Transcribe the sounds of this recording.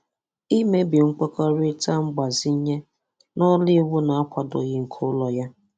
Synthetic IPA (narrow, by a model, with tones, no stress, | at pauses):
i˦me˦bi˨ŋ͡m̩˦k͡pɔ˦kɔ˦ɾɪ˦ta˦ŋ͡m̩˦ɡ͡ba˨zi˦ɲe˦ | nɔ˦li˦wu˦na˨a˦kʷa˨dɔ̰˨ɣɪ˦ŋ̩˨kʰo˦lɔ˨ja˦